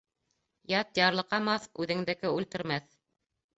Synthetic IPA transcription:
jɑt̪jɑɾlˠɤ̆qɑmɑθʉðɘ̆ŋd̪ɘ̆kɘʉlt̪ɘ̆ɾmæθ

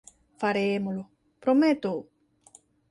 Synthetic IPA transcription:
faɾemolo | pɾomet̪o

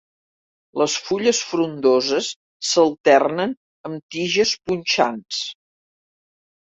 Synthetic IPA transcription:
ləsfuʎəsfɾund̪ozəsː | əlˠt̪ɛrnən | əmt̪iʒəspunʲt͡ʃans

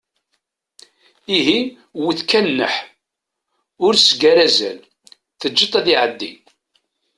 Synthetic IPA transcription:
iɦi | wiθkænːə̰ħ | ʊɾsəɡæɾæzæ̰l | θəd͡ʒːit̪ˤæðiʕəd̪ːḭ

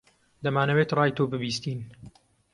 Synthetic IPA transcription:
d̪ɐmaːnɐwet̪rˤɑːjt̪ʰoːbɨbiːst̪iːn

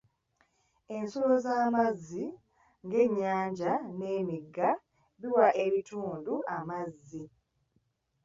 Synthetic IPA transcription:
e̞nsolozaːmazːi | ŋɡe̞ɲːaːɲɟane̞ːmiɡːa | βiwaʔe̞βitʰuːnduʔamazːi

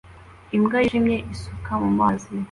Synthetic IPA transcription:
imɡajiʒimɲe̞ʔisukʰamumaːzi

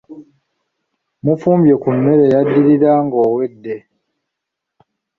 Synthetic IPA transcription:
mufuːmbjekumːeɾejadːiɾiɾaŋɡoːwedːe

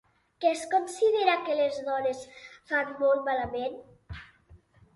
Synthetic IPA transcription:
keskonsiðeɾakelezðɔnesfanmɔlˠt̪malamen

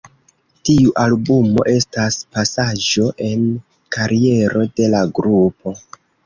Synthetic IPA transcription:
tiuʔalbumo̞̰ʔe̞staspasad͡ʒo̞ʔe̞n | kʰaɾie̞ɾo̞de̞laɡɾupʰo̞

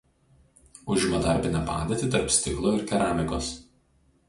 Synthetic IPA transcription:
ʊʒʲɪmɐd̪ɐɾʲbʲɪnʲɛpɑ̰ːd̪ʲet̪ʲɪt̪ɐɾpsʲt̪ʲɪklˠoːɪɾkʲɛɾaːmʲɪkoːs

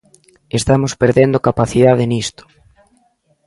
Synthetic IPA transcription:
est̪amospeɾðend̪okapaθiðaðenist̪o̥

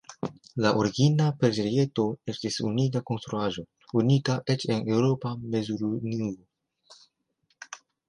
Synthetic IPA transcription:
laʔuɾiɡinapeɾd͡ʒeɾie̞to̞e̞stisunitako̞nst̪ɾuaʒo̞ | unitaʔe̞t͡ʃe̞ne̞wɾo̞pame̞zuɾunio

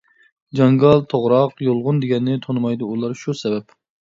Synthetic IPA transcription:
d͡ʒɑŋɡɑlˠt̪ʰoʁɾɑqjolˠʁʊnd̪eɡʲɛnːɪt̪ʰonɨmɑjd̪uulˠɑɾʃusɛbɛp

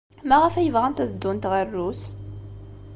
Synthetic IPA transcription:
mæʁəfæjəvʁænt̪æðəd̪ːunt̪ʁərːus

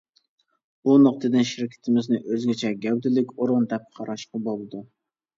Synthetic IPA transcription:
unʊqt̪ʰɨd̪ɨnʃɪɾkʲʰɪ̥t̪ʰɪmɪznɪʔøzɡʲɛt͡ʃʰɛɡʲæwd̪ɪlɪkʲoɾʊnd̪ɛp̚qʰɑɾɑʃqɑbolˠɨd̪u

